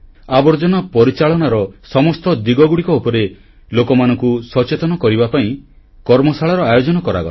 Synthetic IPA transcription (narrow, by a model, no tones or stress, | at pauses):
abɔɾd͡ʒɔnɔpɔɾit͡ʃaɭɔnaɾɔsɔmɔst̪ɔd̪iɡɔɡuɽikɔupɔɾe | lokɔmanɔŋkusɔt͡ʃet̪ɔnɔkɔɾibapaĩ | kɔɾmɔsʰaɭaɾɔajod͡ʒɔnɔkɔɾa̰ɡɔ̰